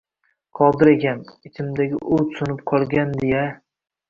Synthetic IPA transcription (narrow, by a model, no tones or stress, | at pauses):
qʰɒd̪ɪɾekʲʰanɪt͡ʃ̪ʰɪmd̪aɡʲɪ̰ʔʊt̪sʊnɪp̚qʰɒlˠɡʲand̪eja